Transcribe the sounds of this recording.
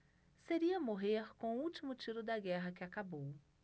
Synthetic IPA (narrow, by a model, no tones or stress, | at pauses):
seɾiɐmoɦeɾkõʊuwt͡ʃimʊt͡ʃiɾʊd̪ɐɡɛɦɐkɪakabow